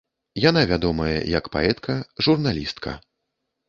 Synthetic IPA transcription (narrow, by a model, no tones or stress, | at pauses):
janavʲad̪ɔmɐjɛ̰jɐkpa̰ɛt̪kʰɐʐurnalʲist̪kʰɐ̰